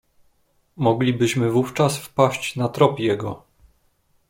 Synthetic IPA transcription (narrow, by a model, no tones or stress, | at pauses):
mɔɡlʲibɘɕmɘvuft͡ʂasfpaɕt͡ɕnat̪ɾɔpʲjɛɡɔ